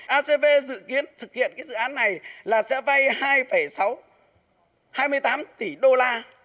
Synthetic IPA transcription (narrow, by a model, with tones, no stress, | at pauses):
ʔaː˧se˧ve˧zɨ̰˧˨ki˨˦ənt̪ʰɨ˨˩k̚hḭ˧˨ənkaː˨˦jzɨ̰˧˨aː˨˦nːa˨˩jlaː˨˩sɛ̰˧˥va˧jhaː˧jfə˧˩jsa˨˦w | haː˧jmɨ˧əjt̪aː˨˦mt̪i˧˩ɗo˧laː˧